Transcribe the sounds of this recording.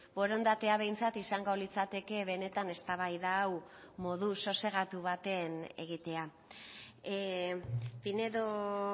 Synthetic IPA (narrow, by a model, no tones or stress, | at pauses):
bo̞ɾo̞nd̪at̪e̞aβ̞e̞jnt͡sat̪isaŋɡolit͡sat̪e̞ke̞βe̞ne̞t̪ane̞st̪aβ̞ajðawmo̞ð̞uso̞se̞ɣat̪uβat̪e̞ne̞ɣ̞it̪e̞a | pine̞ðo